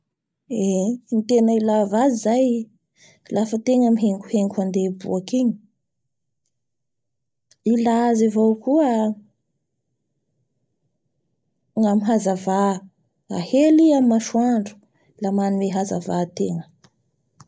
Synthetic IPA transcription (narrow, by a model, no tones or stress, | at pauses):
enit̪enəilavazizaj | lafət̪eŋəmiɦeŋku̥heŋkuand̪ebṵakiɲi̥ | ilazivowkuə | ŋamiɦazava | a̰heliammaʃuaɳɖ͡ʐu̥ | lamanueɦaza̰vat̪eŋə̥